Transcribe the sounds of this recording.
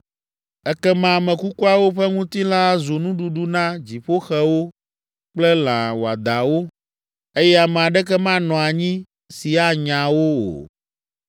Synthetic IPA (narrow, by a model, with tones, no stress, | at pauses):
ɛ˦kɛ˦mã˦˨mɛ̃˨ku˦ku˦a˦wo˦ɸɛ˦ŋũ˦t̪i˦la˦zo˨nũ˦ɖu˦ɖu˦nã˦d͡ʑi˨ɸo˦xɛ˦wo˦ | k͡plɛ˦lã˨wo˨a˨d̪a˨wo˦ | e˦jɛ˦a˨mɛ̃˨a˨ɖɛ˦kɛ˦mã˦nɔ̃˨a˨ɲĩ˦ | si˨a˦ɲã˨wo˦o̰˨